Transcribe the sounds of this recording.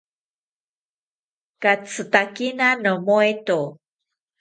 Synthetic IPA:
kat͡sətakinanəmuetu

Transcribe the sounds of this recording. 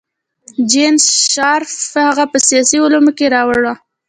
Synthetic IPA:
d͡ʒensʃɑɾfhaɣapəsijɑsiʊlumokeɾɑwɽa

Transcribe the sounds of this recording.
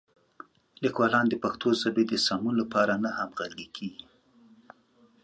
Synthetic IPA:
likwɑlɑnd̪əpaxt̪ʰozabed̪əsɑmunlapɑɾanahamɣaɾɡekʰeɡi

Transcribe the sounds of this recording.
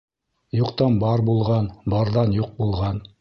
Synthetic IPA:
juqt̪ɑnbɑɾbulˠʁɑnbɑɾðɑnjuq̚bulˠʁɑn

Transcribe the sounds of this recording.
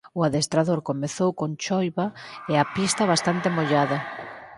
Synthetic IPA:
ʊaðest̪ɾaðoɾkomeθowkont͡ʃɔjβaeapist̪ɐβast̪ant̪emoʎaðɐ

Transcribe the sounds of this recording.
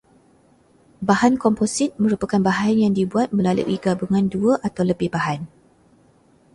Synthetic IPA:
bahankɔmposit̪̚mə̃ɾupakanbaɦanjaŋdibuat̪̚mə̃lalṵʔiɡabəŋãnduəʔat̪awləbɪhbaɦan

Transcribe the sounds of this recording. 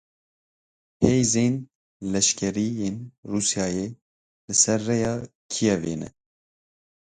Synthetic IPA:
hʰejzeːn | lɛʃkʰɛɾijeːnruːsjɑːje | lɨsɛɾːɛjɑːkʰijɛvḛːnɛ̰

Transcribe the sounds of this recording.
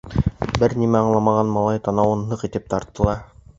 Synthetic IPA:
bɘɾnimæɑɴlˠɑmɑʁɑnmɑlˠɑjt̪ɑnɑwɤnːɤqit̪ɘp̚t̪ɑɾt̪ːɤ̆lˠɑ

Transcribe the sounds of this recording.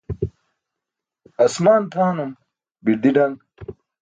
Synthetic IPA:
ɐsmaːnt̪ʰaːnum | biɾd̪iɖɐŋɡ

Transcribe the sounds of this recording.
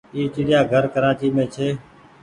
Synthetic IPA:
iːt͡ʃɪːɗɪjaːɡʱəɾkəɾaːt͡ʃiːmẽːt͡ʃʰeː

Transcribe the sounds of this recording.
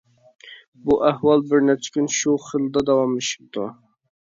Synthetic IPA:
buʔæhwɑlˠbɪɾnɛt͡ʃʰːɪ̥kʲynʃuχəlˠd̪ɑd̪ɑwɑmiʃi̥p̚t̪ʰṵ

